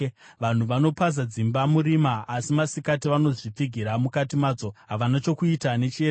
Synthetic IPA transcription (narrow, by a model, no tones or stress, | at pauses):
ʋan̤uʋano̞paz̬ad͡zimbamuɾimaːsimasikatiʋano̞ʐip͡fiɡʱiɾamukatimaːd͡zo̞ɦaʋanat͡ʃo̞kuitane̞t͡ʃie